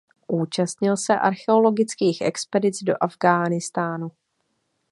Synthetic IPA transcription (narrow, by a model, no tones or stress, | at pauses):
ʔuːt͡ʃast̪ɲɪlsɛʔa̰ɾxɛo̞lo̞ɡɪt͡skiːxʔɛ̰kspɛdɪt͡sdo̞̰ʔavɡaːnɪst̪aːnu